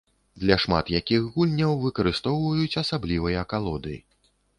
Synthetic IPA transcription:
d̪lʲɐʂma̰t̪jakʲixɣulʲnʲɐwvɨkɐɾɨst̪ɔwvɐjut͡sʲɐsablʲivɐjɐːkalˠɔd̪ɨjḭ

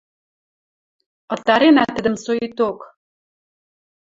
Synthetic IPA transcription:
ɤ̆t̪ɑɾenæt̪ə̆d̪ə̆msoit̪ok

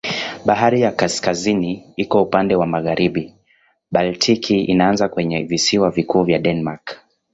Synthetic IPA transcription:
ɓaɦaɾijakaskaziniikɔupandɛwamaɣaɾiɓi | ɓaltʰikʰiinaanzakwɛɲɛvisiwavikʰuːvjaɗɛnmak

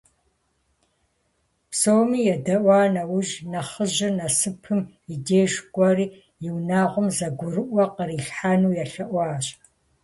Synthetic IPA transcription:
psowmiːjɛdɐʔʷɑːnɐwʊʒnɐχəʑɪnɐsɨpʰɨm | ideːʒɡʷʼɔriː | jɪwnaːʁʷʊmzɐɡʷʊrɨʔʷɐqəriːɬħaːnuːjaɬɐʔʷɑːɕʼ

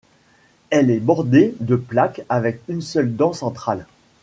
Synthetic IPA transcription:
ɛlɛbɔʁd̪ed̪əplakavɛkynsœld̪ɑ̃sɑ̃t̪χal

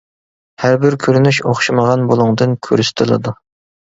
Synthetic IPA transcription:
hæɾbɪɾkʲʰøɾynyʃoχʃiməʁɑnbolˠʊŋd̪ɨnkʲʰøɾyst̪ʰɨlˠɨ̰d̪u

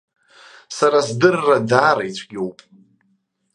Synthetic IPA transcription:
saɾasdɨrːadaːɾejt͡sʷʰɡʲowpʼ

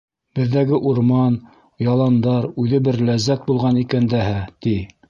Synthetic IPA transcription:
b̥ɘ̆ðːæɡɘʔuɾmɑn | jɑlˠɑnd̪ɑɾʉðɘbɘɾlæzːæt̪̚bulˠʁɑnikænd̪æɦæt̪i

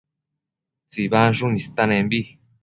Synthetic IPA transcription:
t͡siβanʐunĩst̪anẽmbi

